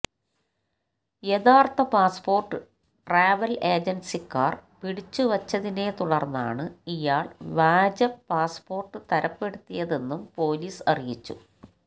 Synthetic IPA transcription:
jeðaːrt̪ɐpaːspo̞ːrʈːɨ | ʈraːʋɐle̞ːd͡ʑensikːaːrpiɽit͡ɕːuʋɐt͡ɕːɐðine̞t̪uɽɐrnːa̰ːɳɨijaːɭʋaːd͡ʑɐpːaːspo̞ːrʈːɨt̪ɐɾɐpːe̞ɽut̪ːijɐðe̞nːumpo̞ːliːsɐrijit͡ɕːṵ

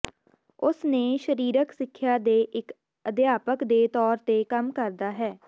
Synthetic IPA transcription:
ʊsneːʃəɾiːɾəksɪkʰːjaːd̪eːʔɪk | əd̪ɪjaːpəkd̪eːt̪ɔːɾt̪eːkəmkəɾd̪aːɦɛː

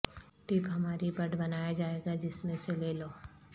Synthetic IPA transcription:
ʈiːpɦɐmaːɾibɐɖbɐnaːjad͡ʒaːeːɡad͡ʒɪsmẽseleːloː

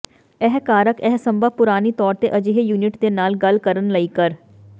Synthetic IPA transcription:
ɛɦkaːɾəkɛɦsə̃mbəːpʊɾaːniːt̪ɔːɾt̪eːʔəd͡ʒiɦjuːnɪʈd̪eːnaːlɡəlkəɾənləiːkəɾ

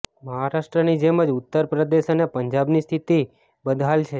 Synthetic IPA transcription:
məɦaɾaʃʈɾənid͡ʒeməd͡ʒʊt̪ːəɾpɾəd̪eʃənepəɲd͡ʒabnist̪ʰit̪i | bəd̪ʱalt͡ʃʰe

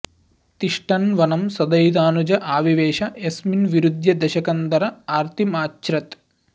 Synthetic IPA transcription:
t̪iʂʈɐnʋɐnɐmsɐd̪ɐjd̪aːnud͡ʒɐʔaːʋiʋeːʃɐesminʋiɾud̪ʱjɐd̪ɐʃɐkɐnd̪ɐɾɐaːɾt̪ʰimaːt͡ʃːɾɐt̪

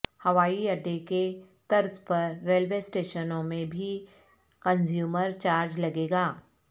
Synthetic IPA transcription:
hɐʋaːiɐɖːeket̪ɐɾzpɐɾːeːlʋesʈeːʃənõmẽbʱi | kə̃nzjuːməɾt͡ʃaːɾd͡ʒlɐɡeːɡaː

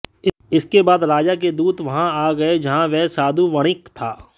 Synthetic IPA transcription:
ɪ | ɪskebaːd̪ɾaːd͡ʒak̬ed̪uːd̪ʋɐɦãaːɡɐed͡ʒɐɦãʋɛɦsaːd̪uʋɐɽ̃ɪkt̪ʰaː

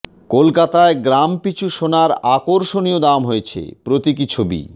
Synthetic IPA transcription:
kolkat̪aeɡɾampit͡ɕʰuʃonaɾakoɾʃoniod̪amɦojet͡ɕʰḛpɾot̪ikit͡ɕʰobḭ

